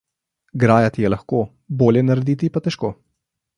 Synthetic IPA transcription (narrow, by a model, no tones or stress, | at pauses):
ɡɾaːjat̪ijɛlaxkoː | boːljɛnaɾɛd̪iːt̪ipat̪ɛʃkoː